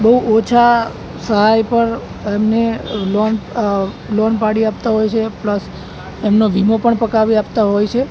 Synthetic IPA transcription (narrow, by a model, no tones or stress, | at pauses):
bəɦuʔot͡ʃʰa | səɦajpəɾ | emnelon | lonpaɽiap̚t̪aɦojt͡ʃʰepləs | emnoʋimopəɳpəkaʋiapt̪aɦojt͡ʃʰe